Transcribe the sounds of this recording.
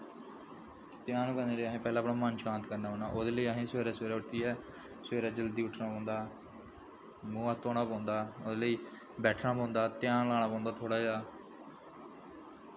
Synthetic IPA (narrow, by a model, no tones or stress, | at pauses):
t̪ɪjaːnkəneːɾeːaɦẽːpɛːlãːpɳaːmənʃãːnt̪kəɾnaːɦoːna̰ːʔoːd̪eːləiːəɦẽːsʋeːɾaːseːɾaːʊʈt̪iːɛː | sʋeːɾaːd͡ʒəld̪iːʊʈʰnaːpõːnd̪aː | mũːaːt̪oːɽaːpãːnd̪aːod̪eːləiː | bɛːʈʰnaːpãːnd̪aːt̪jaːnlaːɽ̃aːpãːnd̪aːt̪ʰoːɽaːd͡ʒaː